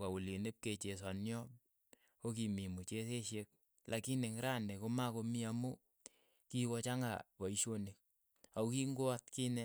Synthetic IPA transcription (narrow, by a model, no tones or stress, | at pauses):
kawulinep̚ket͡ʃes̬anjɔ | kokimimut͡ʃes̬eʃek̚ | lʔakineŋɾandekomakomiamu | kikot͡ʃaŋɡa̰pɔiʃonek̚ | aukiŋɡoatkinɛ